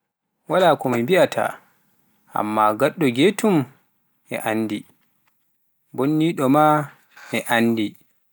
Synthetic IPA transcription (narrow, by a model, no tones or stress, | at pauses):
walaːkɔmimbiatʰa̰ | ʔa̰mːaɡaɗːɔɡeːtum | ɛ̰ʔanːdi | bonːiːɗɔma | ɛʔanːdi